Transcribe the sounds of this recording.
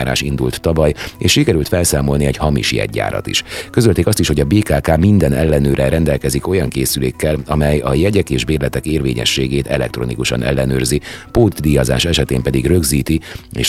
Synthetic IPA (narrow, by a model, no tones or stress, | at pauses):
aːɾa̰ːʃind̪ult̪ːɒvɒjeːʃʃikɛɾylt̪fɛlsaːmo̞lniɛɟhɒmḭʃjɛ̰ɟːa̰ːɾɒ̰t̪ḭʃkø̞zølt̪eːkɒst̪iʃho̞ɟɒbeːkaːkaːmind̪ɛnɛlːɛnøːɾɛɾɛnd̪ɛlkɛziko̞jɒŋkeːsyleːkːɛlɒmɛjɒjɛɟɛkeːʒbeːrlɛt̪ɛkeːrvḛːɲɛ̰ʃːeːɡeːt̪ɛ̰lɛ̰k̚t̪ro̞̰nikuʃɒ̰nɛ̰lːɛnøːrzipoːd̪d̪ijɒza̰ːʃɛʃɛt̪eːmpɛd̪iɡrø̞ɡziːt̪iḛːʃ